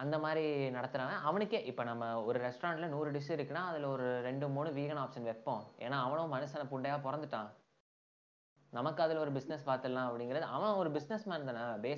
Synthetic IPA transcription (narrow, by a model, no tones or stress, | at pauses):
ɐnd̪ɐmaːd̪ɾinɐɽɐt̪ːɯɾaːʋɐ̃ʔɐʋɐɳɯkːeːʔɪpːoːnɐmːɐɔɾɯɾɛsʈɐɾaːɳʈlɐnuːɾɯɖɪʂɯɪɾɯkːɯnaːɐðɪlɔɾɯɾɛɳɖɯmuːnɯʋiːɣɐnaːpʂɐnʋɛpːõʔḛːnːaːʋɐɳõmɐnɐsɐnɐpʊɳɖɐjaːpɔɾɐnd̪ɯʈːãː | nɐmɐkːɯɐðɪlɔɾɯbɪsnɛspaːɾt̪ɐlːãːɐpːɐɽɪŋɡɪɾɐðɯʔɐʋɐ̃ɔɾɯbɪsnɛsmaːɾɯnd̪anːaːbeː